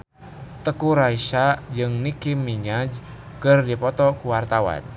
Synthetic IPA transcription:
t̪əkuɾaiʃad͡ʒɨŋnikimːiɲad͡ʒ | kɨrdipɔt̪ɔkuwart̪awa̰n

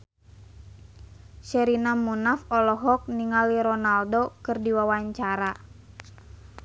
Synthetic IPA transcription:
ʃɛɾinamunafɔlɔɦɔk̚niŋaliɾɔnaldokɨrdiwawaɲt͡ʃaɾa

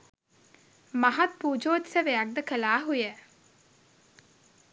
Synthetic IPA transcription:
maɦat̪̚puːd͡ʒoːt̪səʋejak̚d̪əkəlaːɦujə

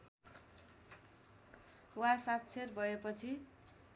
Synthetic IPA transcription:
wasat̪̚t͡sʰerbʱʌepʌt͡sʰi

